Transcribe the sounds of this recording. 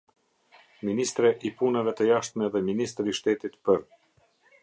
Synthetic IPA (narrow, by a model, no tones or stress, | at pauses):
minist̪ɾɛʔipunɛvɛt̪əjaʃt̪mɛðɛminis̬t̪ɾiʃt̪ɛt̪it̪pəɾ